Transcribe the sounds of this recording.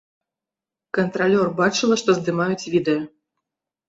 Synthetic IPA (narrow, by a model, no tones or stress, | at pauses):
kənt̪ralʲɔrbat͡ʂɨlˠɐʂt̪ɔzd̪ɨmajut͡sʲvʲid̪ɛjɔ